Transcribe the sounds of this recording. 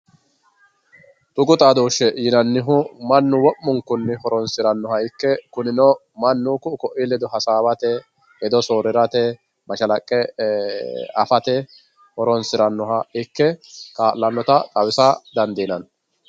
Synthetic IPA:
t̪ʼʊɡʼʊt̪ʼaːd̪oːʃːɛjɪnɐnːɪɦʊmɐnːʊwɔʔːʊŋkːʊnːɪhɔɾɔnsɪɾɐnːɔhɐɪkːɛkʊnɪnɔ | mɐnːʊkʊkɔʔɪlɛd̪ɔɦɐsaːbɐt̪ɛ | ɛd̪ɔsoːɾɪɾɐt̪ɛ | mɐʃɐlɐkʼːɛ | ɐfɐt̪ɛ | hɔɾɔnsɪɾɐnːɔɦɐɪkːɛkʼaːʔlːɐnːɔt̪ɐkʼɐwɪsɐd̪ɐnd̪iːnɐn

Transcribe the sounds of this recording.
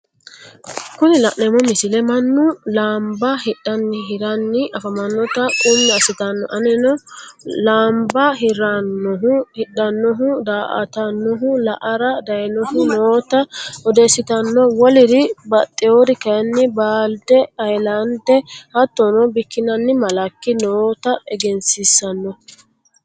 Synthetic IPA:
kʊnɪlɐʔnɛmɔmɪsɪlɛmɐnːʊlaːmbɐhɪɗɐnːɪɦɪɾɐnːɪʔɐfɐmɐnːɔt̪ɐkʼʊmːɛɐsɪt̪ɐnːɔ̰ʔɐnɛnɔlaːmbɐɦɪɾɐnːɔɦʊhɪɗːɐnːɔɦʊd̪aːʔɐ̰t̪ɐnːɔɦʊlɐʔɐɾɐd̪ɐjnɔɦʊnoːt̪ɐɔd̪esːɪt̪ɐnːɔwɔlɪd̪ɪbɐt̪ʼːɪod̪ɪkɐjnːɪbaːld̪ɛɐjlɐnd̪ɛhɐt̪ːɔnɔbɪkːɪnɐnːɪmɐlɐkːɪnoːt̪ɐɛɡɛnsɪsːɐnːɔ

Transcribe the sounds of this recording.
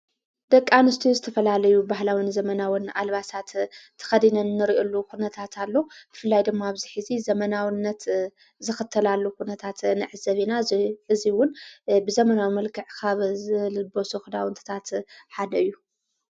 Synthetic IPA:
d̪ɐkʼːanɨst̪ʰizɨt̪ʰɐfɐlalɐjubahlawinzɐmɐnawinalβasat̪ʰː | ɐ̥xɐd̪inɐnːɨɾiʔolːukʰunɐt̪ʰat̪ʰalːo̞b̥ɨfɨlːajd̪ɨmmːaːβziħizizɐmɐnawɨnːɐt̪ | zɨxɨt̪ʰːɐlalːukunɐt̪ʰat̪nɨʕɨzɐβinaɨziwʊnbɨzɐmɐnawimɐlkʰɨʕkʰaβzɨlɨbosuxɨd̪awɨnt̪ʰɨ̥t̪ʰat̪ħad̪ɐɨjːu

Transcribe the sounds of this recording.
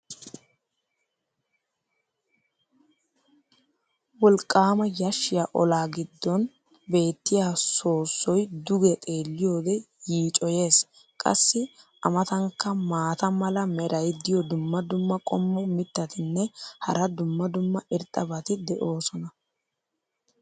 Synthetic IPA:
wɔlkʼːaːmɐjɐʃːɪjaʔɔlaːɡɪd̪ːɔn | be̞ːt̪ːɪjaːso̞ːsːɔjd̪ʊɡɛt̪ʼe̞ːlːɪjo̞ːd̪ɛ | jiːt͡ʃʼɔje̞ːs | kʼɐ̰sːɪ | ɐmɐt̪ɐŋkːɐmaːt̪ɐmɐlɐmɛɾʔɐjd̪ɪjɔd̪ʊmːɐd̪ʊmːɐkʼɔmːɔmɪt̪ːɐt̪ɪnːɛhɐ̰ɾɐd̪ʊmːɐd̪ʊmːɐʔɪɾt̪ʼɐbɐt̪ɪd̪ɛʔo̞ːsɔnɐ

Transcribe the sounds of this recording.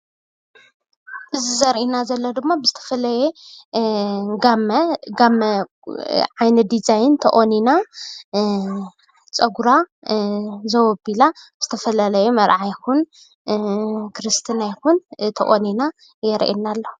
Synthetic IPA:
ʔɨzizɐɾʔinazɐlːod̪ɨmːabɨzɨt̪ʰɐ̥fɐlɐje | ɡamɐɡamɐ | ʕajnɐd̪izajɪnt̪ʰɐʔʼonina | t͡sʼɐɡuɾa | zɐwɔbilabɨz̥ɨt̪ʰɐfɐlalɐjumɐɾʕajxun | kʰɾɨst̪ʰinajxunt̪ʰɐʔʼonina | jɛɾʔḭnalːo

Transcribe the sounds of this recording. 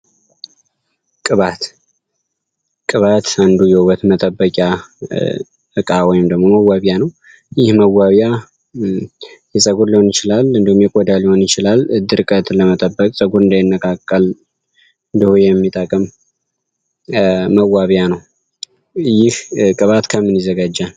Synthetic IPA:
kʼɨβat̪ | kʼɨβat̪and̪ujɛwwət̪mət̪ʼəbːəkʼja | ɨkʼawɔjɪmd̪əɡmoməwːaβjanəw | jɪhməwːaβja | jɛsʼəɡuɾliho̞njɪt͡ʃɪlalɨnd̪əhumjɛkʼɔd̪aliho̞njɪt͡ʃɪlalɨd̪ɨɾkʼət̪ləmət̪ʼəbːəkʼsʼəɡuɾɨnd̪ajɪnːəkʼakʼːəl | ɨnd̪əhujɛmːit̪ʼəkʼəm | məwːaβjanəw | jɪhkʼɨβat̪kʰəmːɨnjɪzəɡad͡ʒːal

